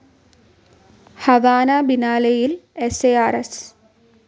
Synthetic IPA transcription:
hɐʋaːnaːbinaːlejileseːaːɾes

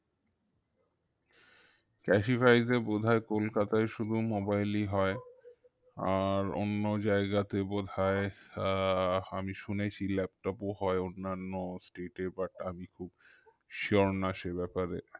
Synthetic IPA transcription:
kɛʃifajd̪ebod̪ʱaekolkat̪aeʃud̪ʱumobajliɦɔe | aɾo̰nːod͡ʑaeɡat̪ebod̪ʱae | amiʃunet͡ɕʰilɛp̚ʈɔpoɦɔeonːanːosʈeʈeɾbaʈamikʰub | ʃioɾnaʃebɛpaɾe

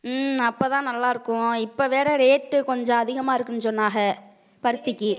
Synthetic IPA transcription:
ɐpːoːt̪ãːnɐlːaːɪɾɯkːʊ̃ɪpːoʋeːɾɐɾeːʈːɯkɔɲd͡ʒɔ̃ɐðɪɣɐmaːɪɾɯkːɯnːsɔnːaːɣɐ | pɐɾɯt̪ːɪkːi

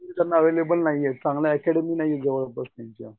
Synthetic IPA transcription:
et̪anːaəʋelebəlnajet͡sãŋɡljaːkɛɽəminajeɡəʋlobəɾsait̪ja

